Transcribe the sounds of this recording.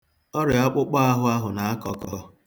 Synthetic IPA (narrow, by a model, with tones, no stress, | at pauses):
ɔ˦ɾɪ˨ɔ˦k͡pʊ˦k͡pɔ˦a˦ɦʊ˦a˦ɦʊ˨na˨a˦kɔ˨kɔ˨